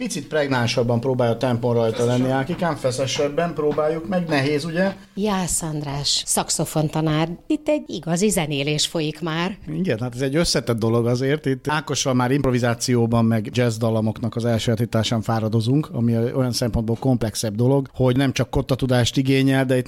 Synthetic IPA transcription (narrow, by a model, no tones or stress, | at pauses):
pit̪sit̪̚prɛɡnaːʃɒbːɒmpɾoːbaːjɔt̪ɛmponrɒjt̪ɒlɛnːiaːkikaːɱfɛsɛʃɛbːɛmpɾoːbaːjːukmɛɡnɛɦeːzuɟɛ | jaːsɒnd̪raːʃsɒkso̞fo̞nt̪ɒnaːrit̪ːɛɟiɡɒzizɛneːleːʃfo̞jikmaːriɡɛnhaːt̪ɛzɛɟːø̞sːɛt̪ɛd̪̚ːo̞lo̞ɡɒzeːrt̪it̪ːaːko̞ʃɒmaːɾimpro̞vizaːt̪sijoːbɒmːɛɡd͡ʒɛzd̪ɒlɒmo̞knɒkɒzɛlʃøalt̪it̪ːaːʃaːɱfaːɾɒd̪o̞zuŋkɒ̰mio̞jɒnsɛmpo̞nboːlko̞mplɛksɛbd̪o̞lo̞ɡho̞ɟnɛmt͡ʃɒkːo̞t̪ːɒt̪ud̪aːʃt̪iɡeːɲɛld̪ɛit̪